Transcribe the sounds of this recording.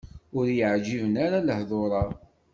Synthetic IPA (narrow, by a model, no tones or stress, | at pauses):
ʊɾjəʕd͡ʒivənaɾaləhðˤoɾˤɑ